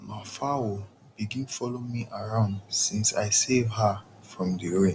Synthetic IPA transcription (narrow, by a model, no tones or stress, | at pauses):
nafawo | b̥iɡĩnfɔlomiʔaɹãʊ̃ndsĩnsa̰ɪsevha | fɹɔ̃mdiɹẽ